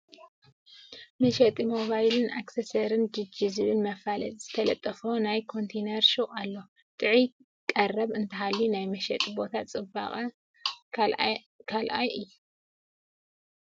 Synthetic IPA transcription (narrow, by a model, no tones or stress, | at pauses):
mɐʃɛt̪ʼimo̞βajlɨnʔa̰ksesɐɾɨnd͡ʒɨd͡ʒizɨβɨlmɐfalɐ̰tʼz̥ɨt̪ʰɐlɐt̪ʼːɐfonajkʰo̞nt̪ʰenɐɾʃɨχʼalːo̞ | t̪ʼɨʕi | kʼɐrːɐβɨnt̪ʰɐɦalːinajmɐʃɐ̰t̪ʼibo̞t̪ʰat͡sʼɨba̰χʼɐ | kʰalʔajɨjːu